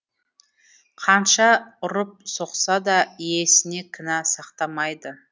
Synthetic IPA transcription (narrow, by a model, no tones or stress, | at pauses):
qʰɑnʃɑʊɾʊp̚so̞qsɑd̪ɑije̞sɪne̞kʲʰɪnɑsɑqt̪ɑmɑjd̪ə